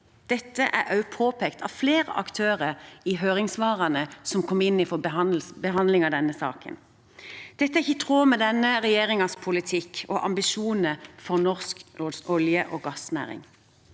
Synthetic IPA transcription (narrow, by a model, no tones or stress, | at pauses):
d̪̥ɛt̪ːəʔæ̰ʔɑʉpʰoːpʰɛkt̪ʰɑ̰fleːʁə̰ʔɑ̰kt̪ʰøːʁəiɦøːʁɪŋsʋɑːʁɑnəsɔmkʰɔmːɪnːɪfɔɑn̩bəɦɑnd̪lɪŋɑʋd̪ɛnːəsɑ̰ːkə̰n | d̪̥ɛt̪ːəæɪçət̪ʰʁoːmɛd̪ɛnːəʁɛjeːʁɪŋɑspʰʊlɪt̪ʰɪkɔ̰ʔɑ̰mbɪʃuːnnəfɔʁnɔʁsk̪ɔljəʔoːɡɑsnæ̰ːʁɪ̰ŋ